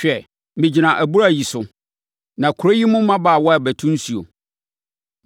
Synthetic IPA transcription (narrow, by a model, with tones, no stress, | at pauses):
ɕᶣɛ˨ | mĩ˨d͡ʑi˨nã˨ʔæ˨bu˦ɾa˦˨ji˨sʊ˨ | nã˨kʰʊ˨ɾo˦ji˦mʊ̃˦mã˦ba˦˨wɔ˦a˨bæ˨tʰũ˦n˦su˨o̰˨